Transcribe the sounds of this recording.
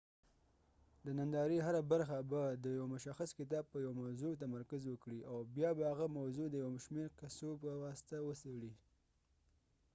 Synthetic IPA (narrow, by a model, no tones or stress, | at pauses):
d̪ənand̪ɑɾiɦaɾabaɾxabad̪əjawmʊʃaxaskɪt̪̬ɑb̚pəjawmawzut̪̬amaɾkazwəkɽiawbjɑbahaɣamawzud̪əjawʃmeɾkasopəwɑsɪ̥t̪awəsaɽi